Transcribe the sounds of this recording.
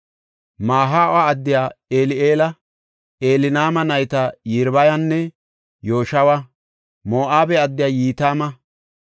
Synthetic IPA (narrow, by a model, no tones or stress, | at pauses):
maːɦaːaɐd̪ːɪjaːeːlɪeːlɐ | ʔeːlɪnaːmɐnɐjt̪ɐjɪɾbɐjɐnːɛ | jo̞ːʃɐwɐ | moːʔaːbɛɐd̪ːɪjaːjiːt̪aːmɐ